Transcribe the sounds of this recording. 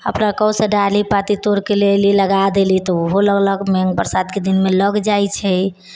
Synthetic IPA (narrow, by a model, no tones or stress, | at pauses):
ə̰pnakəwsə̃ɖalipat̪it̪oɾkeleliləɡad̪elit̪ɔoɦoləɡləɡmɛ̃ŋɡbəɾsad̪ked̪inmeləɡd͡ʒajt͡ʃʰɛ